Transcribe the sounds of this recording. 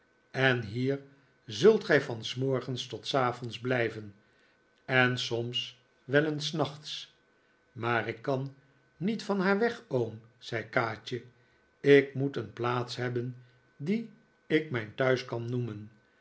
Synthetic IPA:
ɛnɦiːɹ | zɵlˠtχɛjfɑnsmɔɹχənstɔtsaːvɔnzblɛjvən | ɛnsɔms | ʋɛlənsnɑχt̪s | maːrɪkːɑnː | itfɑnɦaːɹʋɛχowmz̥ɛjkaːt͡ʃə | ɪkmutənplaːtsɦɛbən | di | ɪkmɛjntœɥskɑnumən

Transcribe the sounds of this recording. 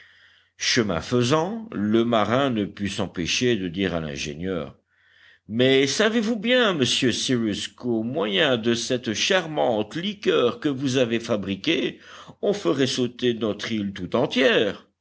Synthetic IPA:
ʃəmɛ̰̃fəzɑ̃ləmaʁɛ̃nəpysɑ̃peʃed̪əd̪iːʁa̰lɛ̰̃ʒḛɲjœ̰ːʁ | mɛsavevubjɛ̃məsjøsiʁyskomwajɛ̃d̪əsɛt̪ʃaʁmɑ̃t̪likʲœːʁkəvuzavefabʁikʲeɔ̃fəʁɛsot̪enɔt̪χilt̪ut̪ɑ̃t̪jɛːʁ

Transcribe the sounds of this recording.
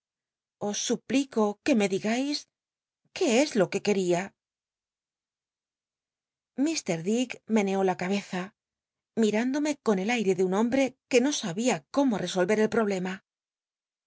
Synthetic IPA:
o̞sːupliko̞ke̞me̞ðiɣajs | ke̞ezlo̞ke̞ke̞ɾia | mist̪e̞ɾðikme̞ne̞o̞lakaβ̞e̞θa | miɾand̪o̞me̞ko̞ne̞lajɾe̞ðeunõ̞mbɾe̞ke̞no̞saβiako̞mo̞re̞so̞lβe̞ɾe̞lpɾo̞β̞le̞ma

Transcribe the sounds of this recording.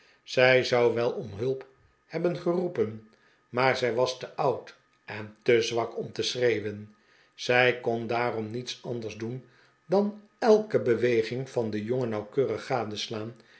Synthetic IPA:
z̥ɛjzɑwʋɛlˠɔmɦɵlˠp | hɛbənχərupən | maːɹzɛjʋɑstəʔɑwt | ʔɛntəzʋɑkɔmtəsrejʋən | z̥ɛjkɔndaːrɔmnitsɑndəɹzdun | dɑn | ɛlˠkəbəʋejχɪŋfɑndəjɔŋənɑwkøːrəχːaːdəslaːn

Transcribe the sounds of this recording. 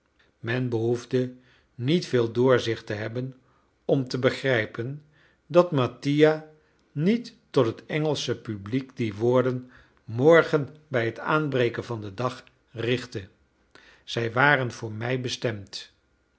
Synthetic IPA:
mɛnbəɦuvdə | nitfeːlˠdʊːɹzɪχtəɦɛbən | ɔmtəbəχrɛjpən | dɑtmatija | nitːɔtɦətɛŋəlˠsəpyblikdiʋʊːɹdən | mɔɹχənbɛjɦəta̰ːnbrejkənvɑndədɑχ | rɪχtə | z̥ɛjʋaːrənv̥ʊːɹmɛjbəstɛmt

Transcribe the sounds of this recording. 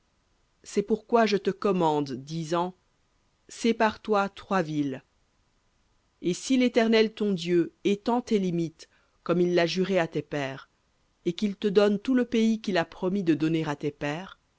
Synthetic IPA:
sɛpuʁkwaʒət̪əkɔmɑ̃d̪ːizɑ̃ | sepaʁt̪wat̪χwavil | esilet̪ɛʁnɛlt̪ɔ̃d̪jøet̪ɑ̃t̪elimit̪ | kɔmilːaʒyʁeat̪epɛːʁ | ekʲilt̪əd̪ɔnt̪uləpeikʲilapχɔmid̪əd̪ɔneʁat̪epɛːʁ

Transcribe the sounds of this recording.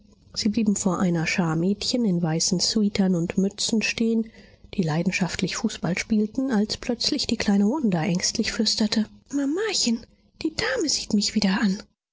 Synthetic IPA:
z̥iːbliːbm̩foːɐʔaɪnɐʃaːɐmɛːtçənɪnvaɪsn̩swiːtʰɐnʊntmʏt͡sn̩ʃteːən | d̥iːlaɪdn̩ʃaftʰlɪçfuːsb̥alʃpiːltn̩alspʰl̥œt͡slɪçd̥iːkl̥aɪnəvʊndɐʔɛŋstʰlɪçflʏstɐtʰəmamaçən | d̥iːdaːməziːtmɪçv̥iːdɐʔan

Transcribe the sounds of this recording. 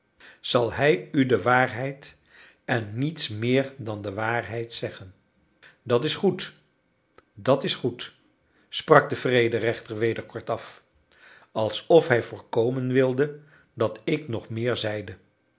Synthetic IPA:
z̥ɑlˠɦɛjydəʋaːɹɦɛjt | ɛnːitsmɪːɹdɑndəʋaːɹɦɛjtsɛχən | dɑtɪsχut | dɑtɪsχut | sprɑɡ̚dəv̥rejdərɛχtəɹʋejdəɹkɔɹtɑf | ɑlˠsɔfɦɛjvʊːɹkowmənʋɪlˠdə | dɑtɪknɔχmɪːɹzɛjdə

